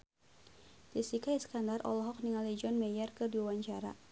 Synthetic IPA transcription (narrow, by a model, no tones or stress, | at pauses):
disikaisə̥kandarʔɔ̰lɔɦɔk̚niŋalid͡ʒɔnmɛjərkɨdiawaɲt͡ʃaɾa̰